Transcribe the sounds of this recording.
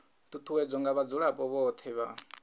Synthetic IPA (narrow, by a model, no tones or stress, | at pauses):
t̪ʰut̪ʰuwɛd͡zɔŋɡaβad͡zuɺapʼɔβɔt̪ʰɛβa̰